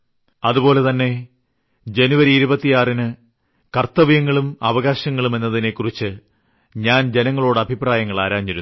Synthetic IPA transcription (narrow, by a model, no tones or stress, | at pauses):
ɐðubo̞ːle̞t̪ɐnːe̞ | d͡ʑe̞nuʋɐɾiːɾubɐt̪ːijaːrinɨ | kɐrt̪ːɐʋijɐŋːɐɭumɐʋɐɣaːɕɐŋːɐɭume̞nːɐðine̞kːurit͡ɕːɨ | ɲaːnd͡ʑe̞nɐŋːɐɭo̞ːɽɨɐbʱipraːjɐŋːɐɭaːɾaːmt͡ɕiɾunː